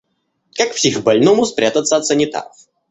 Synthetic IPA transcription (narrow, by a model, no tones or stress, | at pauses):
kakfsʲixbɐlʲnomʊspɾʲʔat̪ət̪sːəɐt̪sənʲɪt̪a̰ɾəf